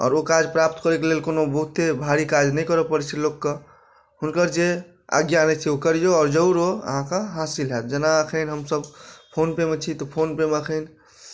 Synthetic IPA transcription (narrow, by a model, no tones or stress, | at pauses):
ɔ̰ːɾokad͡ʒpɾap̚t̪kəɾekelelkonobəɦut̪ːebʱaɾikad͡ʒnəjkəɾəpəɾt͡ʃʰilokːə | ɦunkəɾd͡ʒe | a̰ɡjanɛt͡ʃʰiokəɾijoɔːɾd͡ʒəuɾoə̰ɦãkəɦasilɦet̪d͡ʒənaəkʰənɦəmsəbpʰonpemt͡ʃʰit̪ɔpʰonpeməkʰən